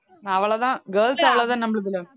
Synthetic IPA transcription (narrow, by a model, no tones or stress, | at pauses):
ɐʋɐɭɐðãːɡeːlsɐʋɐɭɐðaːnnɐmːɐɭuðilo